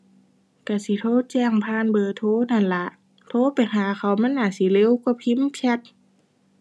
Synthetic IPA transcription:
ka˧˩si˧˦t̪ʰoː˧˨t͡ɕɛː˧˩˨ŋpʰaː˧˥˨nbɤː˧˨t̪ʰoː˧˥˨na˧˩˨nla˧˦ʔ | t̪ʰoː˧˥˦pa˨jɦaː˨˦ka˧˨˩wma˧˥˨nːaː˧˩˨si˧˦le˧˥˨wkɔ˧˩pʰi˧˥˨mkʰɛ˧˦t̪̚

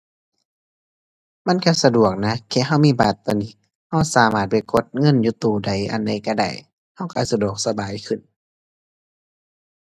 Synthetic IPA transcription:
ma˧˥˨nka˧˥sa˧du˨˩ək̚na˧˥kʰɛː˧˨ha˧˩˨wmiː˧˨baː˨˩t̪ːɔ˧˨niː˧˥˨ | ha˧˩wsaː˨˦maː˧˩t̪̚pa˧˨˩jko˧˦t̪̚ŋɤ˧˥˨njuː˧˦t̪uː˧˩da˧˩jʔa̰˨nda˧˩jka˧˩da̰˧˩j | ha˧˥˨wka˧˩sa˧du˨˩ək̚sa˧baː˨jkʰɯ˨˩˨n

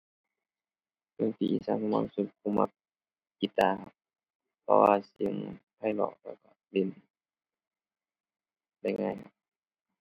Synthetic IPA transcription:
mɯ˧˨ŋt̪ʰi˧˨ʔḭ˧˨sa˧˨ŋkʰa˧ma˧˥˨su˧˩t̪̚kʰu˧˨ma˧p̚ | ki˧t̪ːaː˧˩kʰa˧p̚ | pʰɔ̰˧waː˧si˨˦ə˦ŋp̪ʰa˧˩˨jlɔ̰ː˧˩k̚lɛː˧˩wka˧˩le˧˩˨n | la˧˩˨ŋaː˧˩jkʰa˧˩p̚

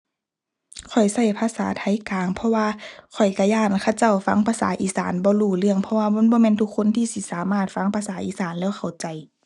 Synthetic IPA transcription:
kʰɔ˨˩jsa˧˩jpʰaː˧saː˨˦t̪ʰa˧˥˦jkaː˨ŋpʰɔ˧waː˧kʰɔ˨˩jka˧jaː˧˩nkʰa˧˩wt͡ɕa˧˩wfa˧˥˩ŋpʰaː˧saː˨˦ʔiː˧˩saː˨˦nbɔː˧˦luː˧˩lɯ˧˩əŋpʰɔ˧waː˧bɔː˧˥˨nbɔː˧˦mɛː˧˥˨nt̪ʰu˧˥kʰːo˧˥˨nt̪ʰiː˧si˧˦saː˨˦maː˧˩t̪̚fa˧˥ŋpʰaː˧saː˨˦ʔiː˧˦saː˨˦nlɛː˧˩wxʰa˨˩wt͡ɕa˨j

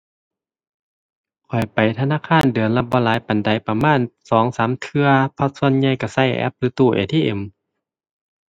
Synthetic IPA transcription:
kʰɔ˨˩jpa˨˩jt̪ʰa˧naː˧˥˨kʰaː˧˥˨ndɯ˨˩ənla˧bɔː˧˦laː˨˦jpa˨˩nda˨˩jpa˧maː˧˥˨nsɔː˨˦ŋsaː˨˦mt̪ʰɯ˧ɐpʰɔ˧t̪̚su˧ə˨nɲa˧˨jka˧˩sa˧˩˨jʔɛ̰˧˥p̚lɯː˨˦t̪uː˧˩ʔḛː˨˩t̪ʰiː˧˨ʔe˨˩˦m

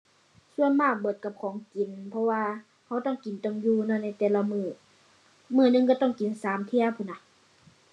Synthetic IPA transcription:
su˧˨ənmaː˧˩k̚bɤː˨˧˦t̪̚ka˧˦p̚kʰɔː˨˦ŋki˨˦npʰɔ˧waː˧ | ha˧˥˩wt̪ɔ˧˥˨ŋki˨˦nt̪o˧˩ŋjuː˧nɔː˧˩na˧˩jt̪ɛː˧˦la˧mɯː˧˩ | mɯː˧˩˨nɯ˧˨ŋka˧˩t̪ɔ˧˥˩ŋki˨nsaː˨˦mt̪ʰi˧˥əwpʰuː˧˩na˧˩

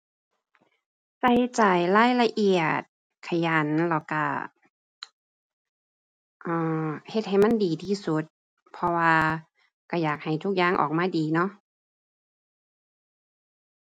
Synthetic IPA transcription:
sa˧˩jt͡ɕa˨˩jlaː˧˥˨jla˧ʔi˧˩ət̪̚ | kʰa˧˩ja˨˦nla˧˩wka̰˧˩ | ʔɤː˧˩he˧t̪̚ha˨˩jma˧˥˨ndiː˨˩t̪ʰiː˧˩su˧˦t̪̚ | pʰɔ˧waː˧ | ka˧˩jaː˨˩k̚ha˨˩jt̪ʰu˧˥k̚jaː˧˩˨ŋʔɔ̰ː˨˩k̚maː˧˥˨diː˨˩nɔ˧˥ʔ

